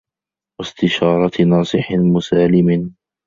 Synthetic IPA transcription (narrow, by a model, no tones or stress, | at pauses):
wast̪ɪʃɑːɾˤɑnɑːsˤɨħɪmʊsaːlɪmɪn